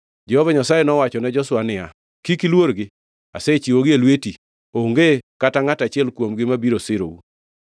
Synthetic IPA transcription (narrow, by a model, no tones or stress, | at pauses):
d͡ʒɛhɔvaɲasajenɔwat͡ʃɔnɛd͡ʒɔswanɪa | kikilwoɾɡɪ | a̰set͡ʃiwoɡɪelweti | oŋɡekataŋatat͡ʃɪɛlkwomɡɪmabiɾosɪɾo̰u